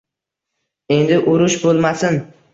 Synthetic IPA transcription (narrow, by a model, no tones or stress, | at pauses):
e̞nd̪ɪʔʊɾʊʃbolˠmasɪn